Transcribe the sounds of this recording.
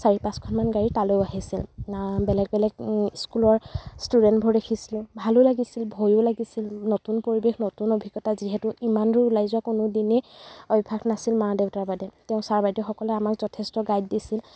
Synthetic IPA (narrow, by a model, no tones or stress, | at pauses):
saɹipãskʰɔnmanɡaɹitalojaɦisilbɛlɛɡ̚bɛlɛɡskulɔɹstudɛntbʱɔɹdekʰisilʊ̃bʱalʊlaɡisilbʱojʊlaɡisilnotunpoɹibexʰnotunobʱiɡɔtaziɦɛtʊʔimanɹilajzʊwakʊnʊdineɔbibʰʱaknasilmaɹdeʊtaɹbadɛteʊ̃saɹbajdɔxɔkɔlɛamakzɔtʰɛstɔɡajd̚disil